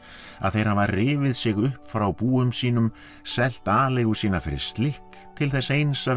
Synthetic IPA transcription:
a̰ðθejɾhavarɪːvɪðsɪɣʏhpfɾawpuːʏmsiːn̪ʏm | sɛl̥t̪aːlejɣusiːnafɪɾɪ̰ɾ̥st̪lɪhk | t̪ʰɪlθɛsejnsa

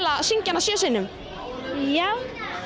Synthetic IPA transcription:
lasiɲcanːasjœːsɪnːʏm | jaw

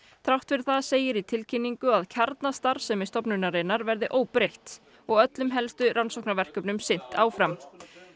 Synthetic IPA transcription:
θɾawht̪fɪɾ̥θaðseːjɪɾit̪ʰɪlcʰɪnːiŋkʏaðcʰaɾt̪nast̪aɾ̥sɛmist̪ɔpnʏnaɾejnaɾvɛɾðɪʔoːwpɾejht̪ | ɔɣœt̪lʏmɦɛlst̪ʏɾʔansohknaɾvɛr̥kœpnʏmsɪn̥t̪aːwfɾam

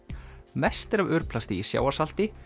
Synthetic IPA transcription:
mɛst̪ɪɾavʏɾ̥plast̪ɪisja̰ːwḁsal̥t̪ɪ

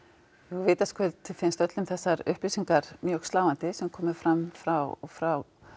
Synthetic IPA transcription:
jɛɣvɪːt̪askœlt̪ʰːɪlfɪnst̪œt̪lʏmθɛsːaɾʏ̰hplisiŋkaɾ̥mjœɣst̪laːwant̪ɪsɛmkʰɔːmɪfɾamfɾawɔ̰ɣfɾaw

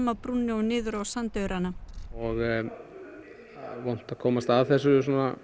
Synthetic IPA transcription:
mapɾunːɪonɪːðʏɾowsant̪œɥɾʔanaɔɣ | vɔwn̥t̪aðkʰɔːmast̪aðθɛsːʏs̬ɔːnːa

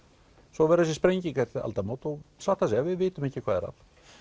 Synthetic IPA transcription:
sɔvɛɾas̬ɪspɾejɲcikaɾt̪a̰lt̪amot̪ɔɣsat̪asɛvɪðvɪːt̪ʏmɛhcːɪkʰvaːðɛɾa̰t̪

